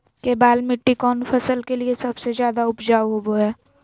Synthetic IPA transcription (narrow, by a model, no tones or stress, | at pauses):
kebaːlmɪʈːikɔːnfʰɐsəlkeliesɐbsezjaːd̪aʊpd͡ʒaːʋɦoboɦɛː